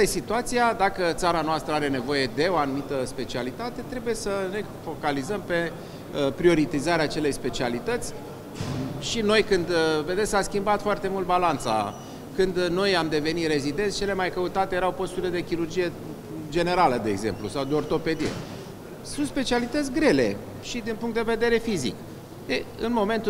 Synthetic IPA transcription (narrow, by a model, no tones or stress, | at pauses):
esit̪uat̪sijad̪akət̪saɾanoast̪ɾəaɾe̞ne̞vo̞je̞d̪e̞o̞anumit̪əspe̞t͡ʃialit̪at̪e̞t̪ɾe̞buje̞səne̞ | fo̞kalizəmpe̞ | pɾio̞ɾit̪izaɾeaːt͡ʃe̞le̞jspe̞t͡ʃialit̪ət̪sʲ | ʃino̞jkɨnd̪ve̞d̪e̞t̪saskʲimbat̪foart̪e̞mult̪balant̪sa̰ | kɨnd̪no̞jamd̪e̞ve̞nit̪ɾe̞zid̪e̞nt̪st͡ʃe̞le̞majkəut̪at̪ejeɾawpo̞st̪uɾiled̪e̞kʲiɾurd͡ʒije̞ | d͡ʒe̞ne̞ɾaləd̪e̞ːɡze̞̰mplṵsawd̪eo̞rt̪o̞pe̞d̪ije̞̰ | sunspe̞t͡ʃialit̪ət̪sʲɡɾe̞le̞̰ | ʃid̪inpuŋkt̪d̪eve̞d̪e̞ɾe̞fizḭk | eɨnmo̞me̞nt̪u